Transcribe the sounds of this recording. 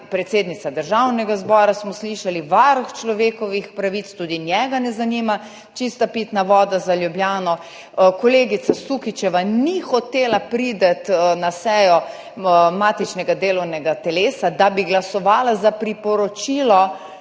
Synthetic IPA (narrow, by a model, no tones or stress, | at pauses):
pɾɛt̪seːd̪nit̪sad̪əɾʒawnɛɡazbɔːɾasmɔsliʃaliʋaɾxt͡ʃlɔʋeːkɔʋixpɾaʋit̪st̪uːd̪injɛɡanɛzanima | t͡ʃist̪apit̪naʋɔːd̪azaljubljaːnɔ | kɔleːɡit̪sasukit͡ʃɛʋanixɔt̪eːlapɾid̪at̪nasɛːjɔ | maːt̪it͡ʃnɛɡad̪eːlɔwnɛɡat̪ɛleːsad̪abiɡlasɔʋaːlazapɾipɔɾɔt͡ʃiːlɔ